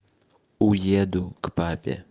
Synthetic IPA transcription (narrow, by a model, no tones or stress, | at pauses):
ujeːd̪ukʼpaːpʲʼḛ